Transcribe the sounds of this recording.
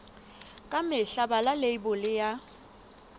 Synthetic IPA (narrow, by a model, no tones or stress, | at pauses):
kʼamɪɬabalaleibʊlɪja